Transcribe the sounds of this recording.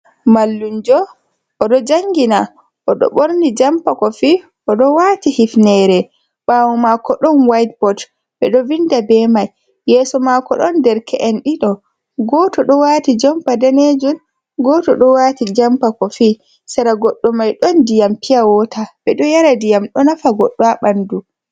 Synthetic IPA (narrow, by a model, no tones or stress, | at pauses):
malːund͡ʒɔ | ɔɗɔd͡ʒaŋɡina | ʔɔɗɔ̰ɓoɾnid͡ʒampakɔfi | ʔɔɗɔwatihifnɛɾɛ | ɓaːwɔmakɔɗɔnwajt̚bɔt | ɓɛ̰ɗɔvindabɛmajː | ɛsɔmakɔ̰ɗɔndɛɾkʰɛʔɛnɗiɗɔ | ɡɔtɔɗɔwaːtid͡ʒɔmpadaned͡ʒun | ɡɔtɔɗɔwatid͡ʒampakɔfi | saɾaɡɔɗːɔmajɗɔndijampijawɔtaɓɛɗɔjaɾadijamɗɔnafaɡɔɗːaɓandu